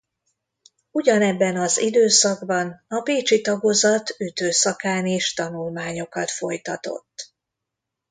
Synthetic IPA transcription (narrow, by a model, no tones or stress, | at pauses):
uɟɒnɛbːɛnɒzḭd̪øːsɒɡbɒnɒpeːt͡ʃit̪ɒɡozɒt̪yt̪øːsɒkaːneːʃt̪ɒnulmaːɲo̞kɒt̪fo̞jt̪ɒt̪o̞̰t̪ː